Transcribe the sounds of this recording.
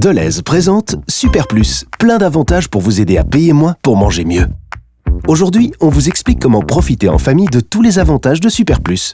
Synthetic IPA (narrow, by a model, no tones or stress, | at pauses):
d̪əlɛ̰zpχezɑ̃t̪sypɛʁplysplɛ̃d̪avɑ̃t̪aʒpuʁvuzed̪ea̰pejemwɛ̃puʁmɑ̃ʒemjø | oʒuʁd̪ɥiɔ̃vuzɛksplikːɔmɑ̃pχɔfit̪eɑ̰̃famijd̪ət̪ulezavɑ̃t̪aʒd̪əsypɛʁplys